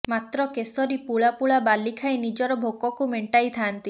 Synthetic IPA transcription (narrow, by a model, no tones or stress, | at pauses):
mat̪ɾɔkesɔɾipuɭapuɭabalːikʰajnid͡ʒɔɾɔbʱokɔkumeɳʈajt̪ʰaːnt̪i